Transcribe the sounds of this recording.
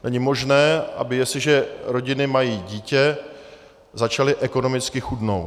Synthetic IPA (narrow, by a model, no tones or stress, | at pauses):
nɛɲɪmo̞ʒnɛːʔa̰bɪjɛsɪʒɛɾo̞ɟɪnɪmajiːɟiːcɛ | zat͡ʃalɪʔɛko̞no̞mɪt͡skɪxudno̞w